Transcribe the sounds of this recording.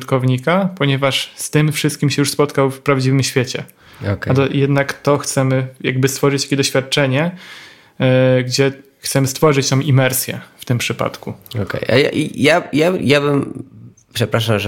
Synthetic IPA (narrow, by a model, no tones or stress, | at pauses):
t̪kɔvɲikapɔɲɛvaʂst̪ɘmfʂɘɨst̪̚kʲimɕɛjuʂspɔt̪kawfpɾavd͡ʑivɘmɕfʲjet͡ɕɛ | ɔkat̪ɔjɛd̪nakt̪ɔxt̪sɛmɘja̰ɡ̚bɘst̪fɔʐɨt͡ɕt̪ḁkʲɛd̪ɔɕfʲjat̪̚t͡ʂɛɲɛ | ɡd͡ʑɛ | xt̪sɛmɘst̪fɔʐɨt͡ɕt̪ɔ̃w̃ʔimɛɾsʲjɛ̰ft̪ɘmpʂɘpa̰t̪kuɔ̰kɛ̰jʔa̰ja̰ʔḭjajajabɘm | pʂɛpɾaʂamʐ